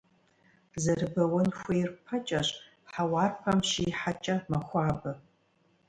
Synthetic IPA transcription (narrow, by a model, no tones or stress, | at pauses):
zɐrbɐwɐnxʷejrpʰɐt͡ʃʼɐɕʼ | ħawɑːrqɐmʃiːħat͡ʃʼɐmɐxʷaːbɐ